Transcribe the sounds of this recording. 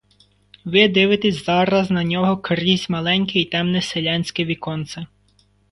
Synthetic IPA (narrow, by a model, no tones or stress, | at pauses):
ʋɪd̪ɪʋɪt̪esʲzɑɾɐznɐnʲɔɦɔkɾizʲmɐlˠɛnʲkɪit̪ɛmnɪselʲɑnʲsʲkɪʋʲikɔnt̪sɐ